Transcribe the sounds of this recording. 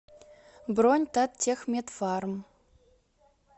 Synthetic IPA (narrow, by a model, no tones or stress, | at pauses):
bronʲt̪at̪tʲːexmʲet̪fɑɾəm